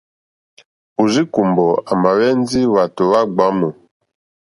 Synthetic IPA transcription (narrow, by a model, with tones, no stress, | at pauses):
u˨zi˦ku˨mbɔ˨a˨ma˨wɛ˦n˦zi˦wa˨to˨wa˦ɡ͡ba˨˦mo˨